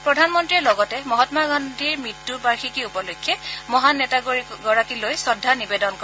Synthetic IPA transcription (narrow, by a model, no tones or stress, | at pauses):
pɹɔdʱanmɔntɹiɛlɔɡɔtɛmɔɦɔtmaɡɔndʱiɹmɹitːupaɹxikiupɔlojkʰːɛmɔɦanɛtaɡiɡɔɹakilojsɔdʱːanibedɔnkɔ